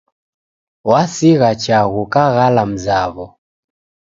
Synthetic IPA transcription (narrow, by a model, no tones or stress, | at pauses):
wasiɣat͡ʃaɣukaɣalam̩zaβɔ